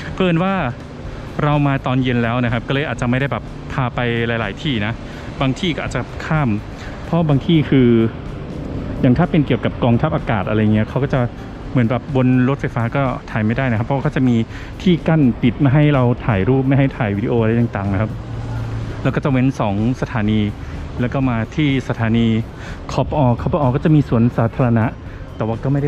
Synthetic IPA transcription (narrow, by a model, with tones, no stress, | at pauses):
pʰɤː˧˩nwaː˥˩ | ɾa˧wmaː˧t̪ɔː˧nje˧nlɛː˦˥wna˦˥kʰa˦˥p̚kɔ˥˩lɤː˧jʔaː˨˩t̚t͡ɕa˨˩ma˥˩jɾa˥˩jbɛː˨˩p | pʰaː˧pa˧jla˧˩jlaː˩˦jt̪ʰiː˥˩na˦˥ | baː˧ŋt̪ʰiː˥˩kɔ˥˩ʔːt̪̚t͡ɕa˨˩kʰaː˥˩m | pʰɔ˦˥baː˧ŋt̪ʰiː˥˩kʰɯː˧ | jaː˨˩ŋt̪ʰaː˥˩pe˧nki˨˩əwka˨˩p̚kɔː˧ŋt̪ʰa˦˥p̚ʔaː˧kaː˨˩t̪̚ʔa˧ɾa˧ja˨˩ŋːi˦˥ɐkʰa˦˥wkɔː˥˩t͡ɕa˨˩ | mɯ˩˦nbɛː˨˩p̚bo˧nɾo˦˥fa˧jfaː˦˥kɔː˥˩t̪ʰaː˨˩jma˥˩jdaː˥˩jna˦kʰa˦pʰːwa˥˩kɔː˥˩t͡ɕa˨˩ʔmiː˧ | t̪ʰiː˥˩ka˥˩npi˨˩t̪̚maː˥˩jɦa˥˩jɾa˧wt̪ʰaː˨˩jɾuː˥˩p̚ma˥˩jɦa˥˩jt̪ʰaː˨˩jwiː˦˧di˧ʔoː˧a˧jt̪a˨˩ŋt̪aː˨˩ŋna˦˥kʰa˦˥p̚ | lɛː˧˦˥wkɔː˥˩t͡ɕa˨˩we˦˥nsɔː˩˦ŋsa˧t̪ʰaː˩˦niː˧lɛː˦˥wkɔː˥˩maː˧t̪ʰiː˥˩sa˧t̪ʰaː˨˩˦niː˧ | kʰɔː˦˥pʔɔː˧kʰa˧˥˩pʰɔ˧ʔɔː˧kɔː˥˩t͡ɕa˨˩ʔmiː˧su˨˩˦ənsaː˩˦˥t̪ʰaː˧ɾa˧na˦˥ʔ | t̪ɛː˨˩waː˥˩kɔː˥˩ma˥˩jda˥˩